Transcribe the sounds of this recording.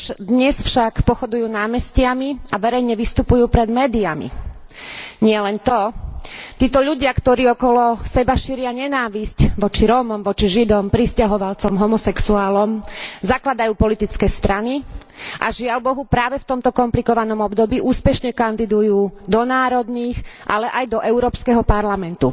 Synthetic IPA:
d̪ɲɛsfʃakpɔxɔd̪ujuːnaːmɛscɪamiaʋɛɾɛjɲɛʋist̪upujuːpɾɛd̪mɛːd̪iamḭ | ɲɪɛlɛnt̪ɔ | t̪iːt̪ɔʎuɟɪakt̪ɔɾiːɔkɔlɔsɛbaʃiːɾɪaɲɛnaːʋiscʋɔt͡ʃiɾɔːmɔmʋɔt͡ʃiʒid̪ɔmpɾiscaɦɔʋalt͡sɔmɦɔmɔsɛksuaːlɔmzaklad̪ajuːpɔlit̪it͡skɛːst̪ɾaniʔa̰ʒɪalbɔɦupɾaːʋɛft̪ɔmt̪ɔkɔmplikɔʋanɔmɔbd̪ɔbiːʔuːspɛʃɲɛkand̪id̪ujuːd̪ɔnaːɾɔd̪niːxʔa̰lɛʔajd̪ɔʔɛʊɾɔːpskɛɦɔpaɾlamɛnt̪u

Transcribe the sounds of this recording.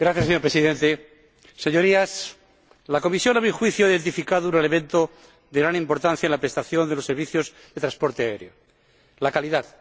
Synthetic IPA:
ɡɾaθjaseɲoɾpɾesiðe̞nt̪e | seɲo̞ɾias | lako̞misjo̞naβɾixwiθjoiðe̞nt̪ifikaðounelemẽnt̪o | ðeɣɾanĩmpo̞ɾt̪an̟θjaenlapɾe̞st̪aθjo̞nd̪e̞lo̞sːe̞ɾβiθjo̞z | d̪et̪ɾaspo̞ɾt̪eaeɾjo̰ | lakaliðað

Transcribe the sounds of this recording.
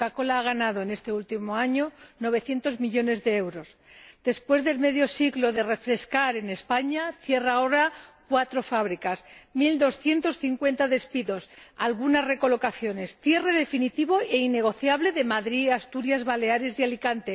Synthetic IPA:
kako̞laːɣ̞anað̞o̞ene̞st̪e̞ult̪imo̞aɲono̞β̞e̞θje̞nt̪o̞zmiʎo̞ne̞zðe̞ewɾo̞zd̪e̞spwe̞zðe̞lme̞ðjo̞siɣlo̞ðe̞re̞fɾe̞skaɾe̞ne̞spaɲaθje̞rao̞ɾakwat̪ɾo̞faβɾikasmild̪o̞sθje̞nt̪o̞sθiŋkwe̞nt̪aðe̞spiðo̞salɣ̞unasre̞ko̞lo̞kaθjo̞ne̞sθje̞re̞ðe̞finit̪iβo̞e̞ine̞ɣ̞o̞θjaβleðe̞maðɾiast̪uɾjazβale̞aɾe̞sjalikant̪e̞

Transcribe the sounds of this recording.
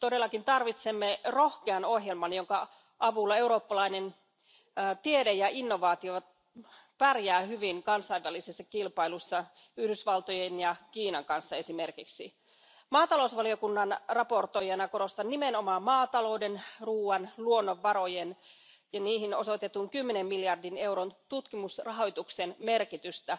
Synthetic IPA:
t̪odelːɑkint̪ɑrʋit̪semːerohkeɑnoɦjelmɑnjoŋkɑ | ʔɑʋulːɑe̞uɾoːpːɑlɑinenː | t̪iedejɑinːoʋɑːt̪io | pærjæːhyʋiŋkɑnsɑiʋːælisesːɑkilpɑilusːɑ | yhdysʋɑlt̪ojenjɑkiːnɑŋkɑnsːɑe̞simerkiksḭ | mɑːt̪ɑlousʋɑlio̞kunːɑnrɑpo̞rt̪o̞jɑnɑko̞ɾo̞st̪ɑnːime̞no̞mɑːmɑːt̪ɑlo̞wde̞nruːɑnluonːoʋːɑɾo̞jen | jɑniːhino̞̰so̞jt̪e̞t̪uŋkymːenemːiljɑrdine̞wɾont̪ut̪kimusrɑɦo̞jt̪uksenme̞rkit̪yst̪æ

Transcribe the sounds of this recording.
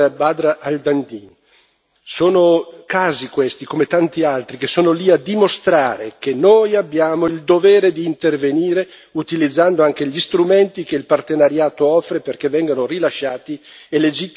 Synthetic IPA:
baːd̪ɾaʔald̪and̪in | soːnokaːzikwest̪ikomet̪ant̪ialt̪ɾikesoːnoliad̪imost̪ɾaːɾekenːoːjabːjaːmoild̪oveːɾed̪iːnt̪erveniːɾe | ut̪ilid̪zːand̪oaŋkeʎist̪ɾument̪ik̟eilpart̪enaɾjaːt̪oɔfːɾeperkevːɛŋɡanorilaʃːaːt̪ieled͡ʒit̪ː

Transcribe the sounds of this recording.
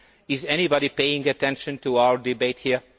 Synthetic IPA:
ɪzɛñibɑɾipeɪɪ̃ŋɨtʰɛ̃nʃɨ̃ntuaʊə˞dɪbeɪt̚hiɹ

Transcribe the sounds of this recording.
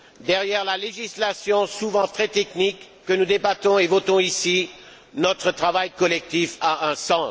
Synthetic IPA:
d̪ɛʁjɛʁlaleʒislasjɔ̃suvɑ̃t̪χɛt̪ɛknikːənud̪ebat̪ɔ̃evɔt̪ɔ̃isi | nɔt̪χət̪χavajkɔlɛk̚t̪ifaʔɛ̃sɑ̃

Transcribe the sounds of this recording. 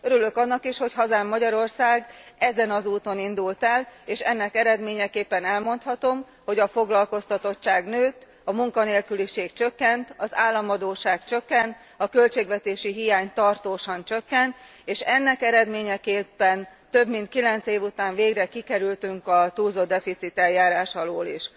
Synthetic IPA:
øɾylø̞kɒnːɒkiʃho̞cɦɒzaːmːɒɟɒɾo̞rsaːɡɛzɛnɒzuːt̪o̞nind̪ult̪ɛleːʃɛnːɛkɛɾɛd̪meːɲɛkeːpːɛnɛlmo̞nt̪hɒt̪o̞m | ho̞ɟɒfo̞ɡlɒlko̞st̪ɒt̪o̞t͡ʃːaːɡnøːt̪ | ɒmuŋkɒneːlkyliʃeːkt͡ʃø̞kːɛnt̪ɒzaːlːɒmɒd̪oːʃaːkt͡ʃø̞kːɛnt̪ | ɒkø̞lt͡ʃeːɡʋɛt̪eːʃiɦijaːɲt̪ɒrt̪oːʃɒnt͡ʃø̞kːɛnt̪ | eːʃɛnːɛkɛɾɛd̪meːɲɛkeːpːɛnt̪ø̞bmint̪̚kilɛnt̪seːvut̪aːɱveːɡrɛkikɛɾylt̪yŋkɒt̪uːlzod̪ːɛfit̪sit̪ɛljaːɾaːʃɒloːlḭʃ

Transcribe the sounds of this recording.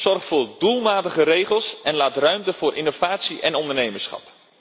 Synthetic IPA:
z̥ɔrχtfʊːɹdulˠmaːtəχəɾejχəlˠsɛnlaːtrœɥmtəv̥ʊːɾʔɪnov̥aːtsiʔɛnɔndərnejməɹsχɑ̰p

